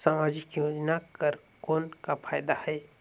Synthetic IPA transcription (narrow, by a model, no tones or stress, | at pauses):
saːmaːd͡ʒɪkjoːd͡ʒnakəɾ | koːnkapʰaːjd̪ahɛː